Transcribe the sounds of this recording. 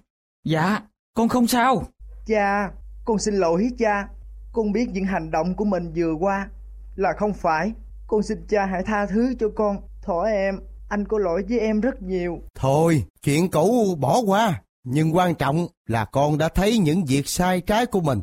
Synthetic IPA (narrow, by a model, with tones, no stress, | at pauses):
za̰ː˧˨ | kɔ˧nxə˧wŋ͡msaː˧wt͡ɕaː˧kɔ˧nsï˧nlo̰˧˨˩jhi˨˦˥t͡ɕaː˧kɔ˧nɓi˦˥ət̚ɲɨ̰˧˥ŋɦa˨˩jŋ̟ɗo̰˧˨wŋ͡mku˧˩əmï˨˩ŋ̟zɨ˨˩əkwaː˧ | laː˨˩xə˧wŋ͡mfaː˧˩j | kɔ˧nsi˧nt͡ɕaː˧ɦa̰ː˧˥jt̪ʰaː˧t̪ʰɨ˨˦t͡ɕɔ˧kɔ˧n | t̪ʰo˧˩jʔɛ˧m | ʔa˧jŋ̟kɔ˨˦lo̰˧˥jvəː˨˦jʔɛ˧mzə˦˥t̚ɲi˨˩əwt̪ʰo˧jt͡ɕwḭ˧˨ənkṵ˧˥wɓɔ˧˩kwaː˧ | ɲɨ˧ŋkwaː˧nt͡ɕɔ̰˧˨wŋ͡mlaː˨˩kɔ˧nɗa̰ː˧˥t̪ʰə˨˦jɲɨ̰˧˥ŋvi˨˩ək̚saː˧jt͡ɕaː˨˦jku˧˩əmï˨˩ŋ̟